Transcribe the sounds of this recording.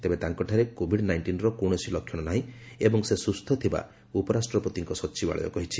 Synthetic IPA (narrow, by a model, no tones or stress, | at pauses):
t̪ebet̪aŋkɔʈʰaɾekobʱiɖnajɳʈinɾɔkoɽ̃esilɔkʰjɔɽ̃ɔnaɦĩ | ebɔŋsesust̪ʰɔt̪ʰiba̰ | upɔɾasʈɾɔpɾot̪iŋkɔsɔtːt͡ʃiba̰ɭɔ̰jɔ̰kɔɦit͡ʃʰi